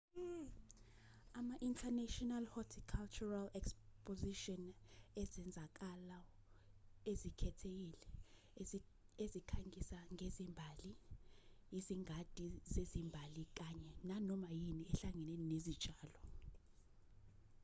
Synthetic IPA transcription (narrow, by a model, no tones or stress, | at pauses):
amaʔintʰanɛʃɔnalhɔtʰikʰalt͡ʃʰuralɛkspʼoziʃɔnɛzɛnd͡zʱak̬ala | ezikʰɛtʰek̬ilɛ | ezikʰaŋʱisaŋezimbʱali | iziŋʱad̥ʱʼizezimbʱalik̬aɲɛnanɔmajiniɛɬaŋɛnɛninezid̥ʒ̥ʱaːlɔ